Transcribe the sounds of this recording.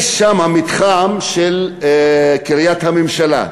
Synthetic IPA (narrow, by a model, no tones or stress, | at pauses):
ʃamhamit̪χamʃel | kiʁijat̪hamemʃala̰